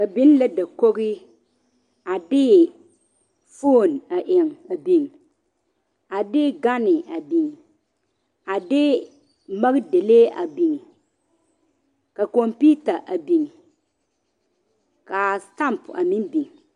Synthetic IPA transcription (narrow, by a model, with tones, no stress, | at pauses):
ka˨bɪ˦n˦la˦da˨ko˦ɣɪ˦ | a˨dɪ˦ | fo˦˨na˨ʔɪ˨ŋ˨a˨bi˨ŋ˨ | a˨dɪ˦ɡa˦nɪ˨a˨bi˨ŋ˨ | a˨dɪ˦ | ma˦ɣde˨le˦a̰˨bi˨ŋ˨ | ka˨ko˨mpi˦ta˨ʔa˨bi˨ŋ˨ | ka˨sta˦˨mpa̰˨mɪ̃˦nbi˨ŋ˨